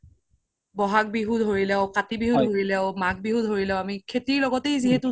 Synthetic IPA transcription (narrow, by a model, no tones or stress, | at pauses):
bɔɦak̚biɦudʱɦoɹilɛʊkatibiɦudɦoɹilɛʊmak̚biɦudʱɦoɹilɛʊ̃amikʰetiɹlɔɡɔtejziɦetʊ